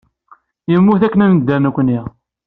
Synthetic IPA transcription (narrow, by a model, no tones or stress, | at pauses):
jəmːʊθækːənænəd̪ːænəkʷːnːiʁ